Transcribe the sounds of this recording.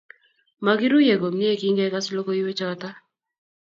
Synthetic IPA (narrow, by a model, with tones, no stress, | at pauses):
ma˨ɡɪ˦ɾu˦je˨ɡo˨mni˦e˦˨ki˦ŋɡɛ˦ka˦slo˦ko˦i˦we˦t͡ʃɔ˦ta˦